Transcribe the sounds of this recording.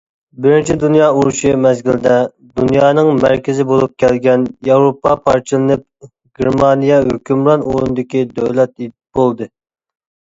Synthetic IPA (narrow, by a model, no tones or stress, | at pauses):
bɪɾɪnt͡ʃʰid̪unjɑːuɾuʃimɛzɡʲild̪ɛ | d̪unjɑːnɨŋmæɾkʲɪzɪbolˠup̚kʲʰɛlɡʲɛnjɑwɾopːɑpʰɑɾt͡ʃʰɨlˠɨnɨp̚ | ɡʲeɾmɑnijɛhøkʲʰymɾɑnʔṵɾunɨd̪ɨkʲid̪øwlɛt̪et̪ | bolˠd̪ɨ